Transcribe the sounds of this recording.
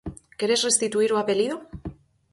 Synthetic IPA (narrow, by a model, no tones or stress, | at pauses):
ke̞ɾesre̞st̪it̪uiɾuape̞liðo